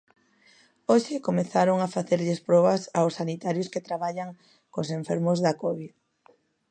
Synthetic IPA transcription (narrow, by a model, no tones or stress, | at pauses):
oʃɪkomeθaɾoŋafaθeɾʎɪspɾɔβɐsawsːanit̪aɾjʊsket̪ɾaβaʎaŋ | koseɱfeɾmʊzðakoβið